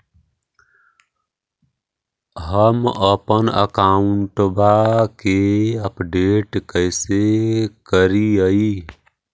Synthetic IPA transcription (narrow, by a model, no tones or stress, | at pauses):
ɦəməpənə̰kauɳʈbakeəpɖeʈkəjsekəɾiəi